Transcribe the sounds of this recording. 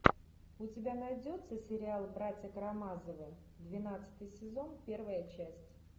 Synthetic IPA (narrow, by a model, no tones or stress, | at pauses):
ʊtʲɪbʲanajdʲo̞t̪səsʲɪɾʲɪalˠbɾatʲjəkɾɐmazəvɨ | d̪vʲɪnat̪sɨ̥t̪ɨjsʲɪzo̞npʲe̞rvəjət͡ɕæsʲtʲ